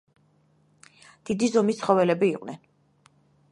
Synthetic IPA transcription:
d̪̥id̪izɔmist̪sʰχɔvɛlɛbiːqʼnɛn

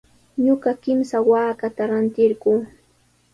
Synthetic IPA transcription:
ɲoɢɑkɪmsawaːkat̪aɾant̪ɪɾɢuː

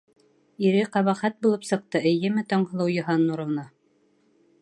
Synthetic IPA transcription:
iɾɘqɑβɑχæt̪̚bulˠɤpsɤ̆q̚t̪ɤɘ̆jɘmɘt̪ɒɴɦɤ̆lˠɤwjɤ̆ɦɑnːuɾɤ̆wnɑ

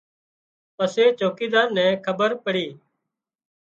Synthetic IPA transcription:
pəseːt͡ʃoːkiːd̪aːnnːɛ̃ːkʰəbəɾpəɽiː

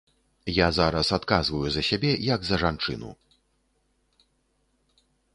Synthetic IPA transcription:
jazaɾɐsat̪kazvɐjuzɐsʲabʲɛjɐɡzɐʐant͡ʂɨ̰nṵ

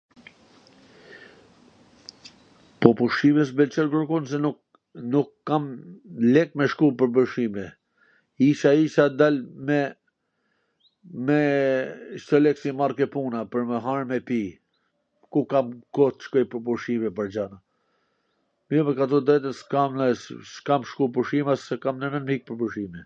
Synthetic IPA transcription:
pɔpuʃimɛs̬bɛlt͡ʃɛɾbəɾkuns̬ɛnuk | nukːamlɛk̚mɛʃkupəɾbəʃimɛ | iʃaiʃad̪almɛ | mɛ | ʃt̪ɔlɛksimarkɛpunapəɾmɛɦaɾmɛpi | kukamkɔt̪ʃkɔjpəɾpuʃimɛpəɾd͡ʑana | mɔmɛkat̪̬ɔd̪ɛt̪əskamɛsskamʃkupəʃimasɛkamnəmɛnmik̚pəɾbuʃimɛ

